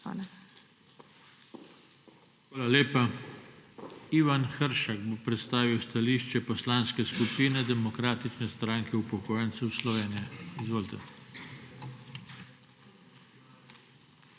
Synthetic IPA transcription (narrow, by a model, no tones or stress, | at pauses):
a̰ːla | xʋaːlaleːpa | iːʋanxəɾʃaɡbopɾɛt̪st̪aːʋiwst̪aliʃt͡ʃɛpɔslaːnskɛskupiːnɛd̪ɛmɔkɾaːt̪it͡ʃnɛst̪ɾaːŋkʰɛupɔkoːjɛnt̪sɛwslɔʋeːnijɛizʋoːlt̪ɛ̰